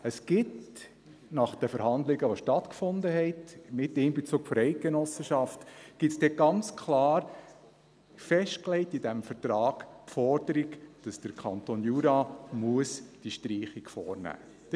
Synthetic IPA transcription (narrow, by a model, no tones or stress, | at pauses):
əsɡ̥ɪt | nɑχd̥əfəɾhɑnd̪lɪɡəʋoʃtɑtkfʊndəɦɛtmɪtɪnbet͡suːkfɔɾɛɪt̚ɡenɔsəʃɑftɡ̥ɪtsd̥ɛɡ̥ɑnt͡skʰlɑːɾ | fɛʃtklɛɪtidæmfəɾtɾɑːɡ̥pfɔɾd̥əɾikd̥ɑsd̥əɾkʰɑntonjuɾɑmuəsd̥iʃtɾiːχikfɔːɾnæ̰ː